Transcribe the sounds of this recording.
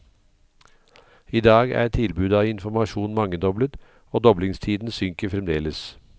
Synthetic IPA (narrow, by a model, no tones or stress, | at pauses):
iːd̪ɑːɡæ̰ːt̪ʰɪlbʉːd̪ɑːɪnfɔmɑʃuːnmɑŋːəd̪ɔblət̪ | oːd̪ɔblɪŋst̪ʰiːd̪n̩sʏŋkəfɾɛmd̪eːləs